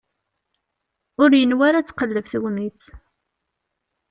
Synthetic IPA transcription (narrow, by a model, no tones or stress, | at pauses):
ʊɾjənwaɾat͡sːqəlːəvθəwmit͡s